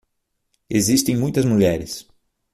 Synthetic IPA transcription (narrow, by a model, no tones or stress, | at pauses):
ezist̪ẽj̃mũj̃t̪ɐzmuʎɛɾɪs